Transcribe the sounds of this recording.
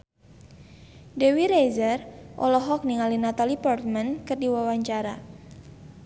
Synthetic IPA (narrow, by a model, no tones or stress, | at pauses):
dewiɾezərʔɔ̰lɔɦɔk̚niŋalinat̪alipɔrt̪̚mankɨrdiwawaɲt͡ʃaɾa̰